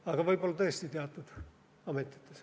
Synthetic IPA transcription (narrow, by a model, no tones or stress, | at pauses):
ɑɡɑʋɤjbolːɑt̪ɤest̪it̪eɑt̪ːˑud̪̥ | ɑmet̪ʲːˑi̥t̪ːes